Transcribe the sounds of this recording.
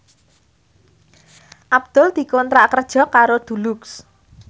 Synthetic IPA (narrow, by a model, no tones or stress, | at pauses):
ʔab̚d̪̥ɔ̤ld̪̥i̤kɔnt̪ɾakərd̥ʒ̥ɔ̤kaɾod̪̥ṳluks